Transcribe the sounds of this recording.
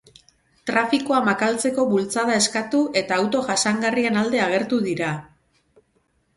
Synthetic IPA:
t̪ɾafikoamakalt͡se̞ko̞βult͡saðae̞skat̪uʔe̞t̪aːwt̪o̞ʝasaŋɡarie̞nald̪e̞aɣ̞e̞ɾt̪uðiɾa

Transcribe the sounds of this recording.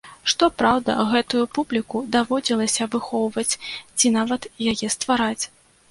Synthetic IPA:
ʂt̪ɔpɾawd̪ɐ̰ɣɛt̪ujupublʲikud̪avɔd͡zʲilˠɐsʲɐːbɨxɔwvɐt͡sʲt͡sʲinavɐt̪jajɛst̪vaɾat͡sʲ

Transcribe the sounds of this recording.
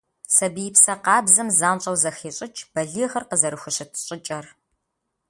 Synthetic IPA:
sɐbijɪpsɐqɑːbzɐmzaːnɕʼɐwzɐxeːɕʼɪt͡ʃʰʼb̥ɐɮiːxɐrqəzɐɾɨxʷʊɕɪtʰɕʼɪt͡ʃʼɐr

